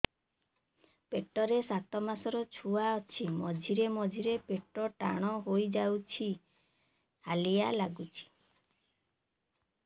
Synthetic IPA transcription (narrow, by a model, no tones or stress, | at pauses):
peʈɔɾesat̪ɔmasɔɾɔt͡ʃʰuaɔt͡ʃʰimɔd͡ʒʱiɾemɔd͡ʒʱiɾepeʈɔʈaɽ̃ɔɦojd͡ʒawt͡ʃʰi | halijalaɡut͡ʃʰi̥